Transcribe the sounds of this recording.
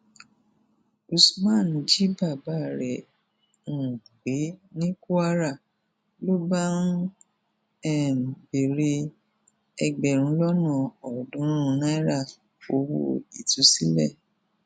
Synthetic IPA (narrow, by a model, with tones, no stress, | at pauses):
u˧smã˦˨n̩˨d͡ʒi˦ba˦˨ba˨˦˨ɾɛ˨ | ũ˨ɡ͡be˨˦nĩ˦ku˦a˦ɾa˦˨ | lo˦ba˦ɾũ˦ | ɛ˦˨be˨ɾe˧ | ɛ˧ɡ͡bɛ˨ɾ̃ũ˨˦lɔ˦nã˦˨ɔ˨dũ˨˦ɾ̃ɾũ˧˦nã˦i˦ɾa˦˨ | o˨˦wo̰˦˨i˨tu˨˦si˦lɛ̰˦˨